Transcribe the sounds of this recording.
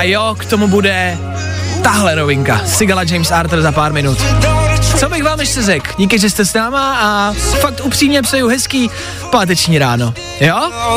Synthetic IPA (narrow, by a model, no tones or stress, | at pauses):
ajokt̪o̞mubudɛ | t̪aɦlɛɾovɪŋka̰sɪɡalad͡ʒɛjmsaɾt̪r̩zapaːɾmɪnut̪ | t͡sobɪxvaːmjɛʃsɛzɛkɟiːk̬ɪʒɛst̪ɛsnaːmaafak̚t̪ʔupr̥iːmɲɛpsɛjuɦɛskiː | paːt̪̬ɛt͡ʃɲiːɾaːno̞ | jo